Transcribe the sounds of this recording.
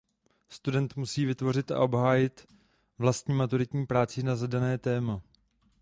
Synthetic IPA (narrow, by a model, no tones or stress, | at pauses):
st̪udɛnt̪musiːvɪt̪vo̞r̝ɪt̪ʔa̰ʔo̞bɦaːjɪt̪ | vlast̪ɲiːmat̪uɾɪt̪ɲiːpɾaːt͡sɪnazadanɛːt̪ɛːma